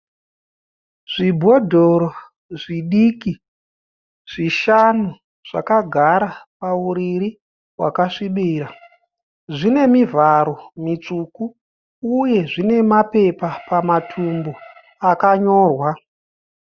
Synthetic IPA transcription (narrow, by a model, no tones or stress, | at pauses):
ʐ̥ibʱo̞dʱo̞ɾo | ʐiɗiːki | ʐ̥iʃanu | ʐ̥a̰kaɡʱaɾapauɾiɾi | wa̰kaʂiɓiːra | ʐine̞mivaɾo̞mit͡ʂukuː | je̞ʐine̞mape̞papamatʰumbo | akaɲo̞ːrwa